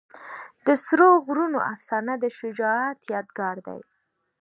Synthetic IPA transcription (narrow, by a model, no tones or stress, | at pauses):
d̪̥əsɾoɣɾuno̰ʔafsɑnad̪əʃʊd͡ʒɑat̪jɑd̪ɡɑɾd̪a̰j